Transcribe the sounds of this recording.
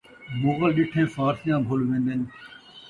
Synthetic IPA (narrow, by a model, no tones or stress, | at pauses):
moɣəlɗɪʈʰẽːfaːɾsjãːbʱoːlʋẽːnd̪ɪn